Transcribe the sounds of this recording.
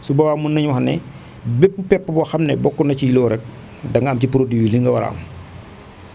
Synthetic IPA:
subɐwaːmunːɐɲwɐxɐnɛ | bep̚ːupɛpːɐbɔxɐmnɛbɔkːɔnɐcijilɔːɾɛk̚ | dɐŋɡɐmcipuɾodiwiliŋɡɐwɐɾa̰ːm

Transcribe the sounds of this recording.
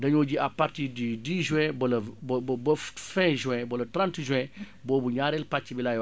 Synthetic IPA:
dɐɲɔɟiapaɾtiːdidiʒuwɛ̃bɐlɐbbɐffɛ̃ʒuɛ̃bɔlɐtɾãntʒɛ̃ | bɔːbuɲaːɾɛlpat͡ʃːibilaj

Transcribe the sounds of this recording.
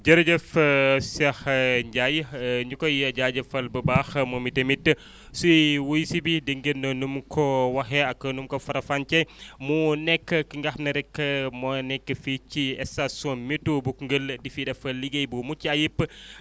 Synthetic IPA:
d͡ʒɐɾɐd͡ʒɐfsɐxɲɟajɲukɔjɐɟad͡ʒɐfɐlbɐbaxmomitemitː | suwojsibidəŋɡənːɐnumkʰɔwɐxɛɐkːɐnumkɔfɐɾɐfant͡ʃɛmunɛkːəkiŋɡɐxnɐɾɛkːəmɐnɛkːəfit͡ʃiɛsasomitːubukŋɡəldifidɐfɐliɡejbumut͡ʃːiɐjipː

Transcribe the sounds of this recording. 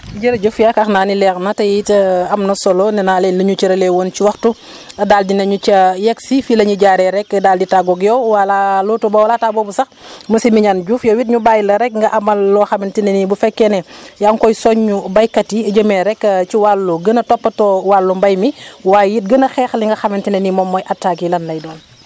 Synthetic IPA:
ɟəɾɟufjakɐxnaːnilɛːxnɐtɐjtɐmnɐsɔlɔnɛnaːlɛːnlɐɲut͡ʃəɾɐlɛwoːnt͡ʃiwɐxtu | ɐdaːldinɐɲut͡ʃɐjɛksifilɐɲuɟaːɾɛɾɛkːɐdaːlditaɡɔɡjɔwwalalutubɔwɐlatabɔbusɐxməsimiɲanɟuːfjɔwit̬ɲubaːjlɐɾɛk̚ŋɡɐʔɐmɐlːɔxɐmintinɛnibufɛkːɛnɛjaŋkɔjsɔɲːubɐjkɐtiɐɟəmɛɾɛkːɐciwalːuɡənɐtɔpːɐtɔːwalːumbɐjmiwaːjjit̚ɡənɐxɛxliŋɡɐxɐmɛntinɐnimɔmːɔjʔɐtːaːkilɐnlɐjdɔːl

